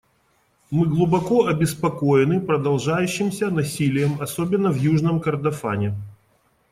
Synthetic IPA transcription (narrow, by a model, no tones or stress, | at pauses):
mɨɡlˠʊbɐkoɐbʲɪspɐkojɪnɨpɾəd̪ɐlˠʐajʉɕːɪmsʲənɐsʲilʲɪjəmɐsobʲɪnːəvjuʐnəmkərd̪ɐfa̰nʲɪ